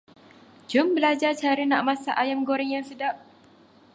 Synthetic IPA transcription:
d͡ʒʊmbəlad͡ʒat͡ʃaɾənaʔmasa̰ʔajamɡoɾɛŋjaŋsədap̚

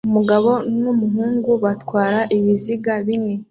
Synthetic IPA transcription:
umuɡaβo̞numuɦuːŋɡuβatwaːɾaʔiβiziɡaβiŋe

